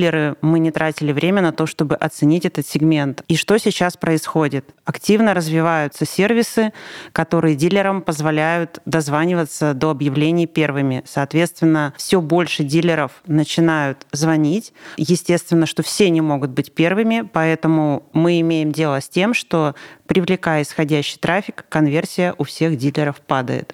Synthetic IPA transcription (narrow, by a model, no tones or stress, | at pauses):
lʲːɪɾɨmɨnʲɪt̪ɾʔatʲɪlʲɪvɾʲemʲənɐt̪o̞ʂt̪o̞bɨʔɐt̪sɨnʲitʲɛt̪ət̪sʲɪɡmʲe̞nt̪iʂt̪o̞sʲɪt͡ɕaspɾəɪsxo̞dʲɪt̪ɐktʲivnəɾəzvʲɪvajʊt̪səsʲe̞rvʲɪsɨkɐt̪o̞ɾɨjədʲilʲːɪɾəmpəzvɐlʲæjʊt̪d̪ɐzvanʲɪvət̪səd̪o̞ɐbjɪvlʲenʲɪjpʲe̞rvɨmʲɪsɐːt̪vʲe̞t̪st̪vʲɪnːəfsʲobo̞lʲʂɨdʲilʲɪɾəfnət͡ɕɪnajʊt̪zvɐnʲitʲjɪsʲtʲe̞tst̪vʲɪnːəʂt̪o̞fsʲenʲɪmo̞ɡʊt̪̚bɨt̚ʲpʲe̞rvɨmʲɪpɐɛt̪əmʊmɨɪmʲejɪmdʲe̞lˠəsʲtʲe̞mʂt̪o̞pɾʲɪvlʲɪkajɪsxɐdʲæɕːɪ̥jt̪ɾafʲɪkːɐnvʲe̞rsʲɪjəʔʊfsʲe̞xdʲilʲɪɾəfpad̪ə̰jɪ̰t̪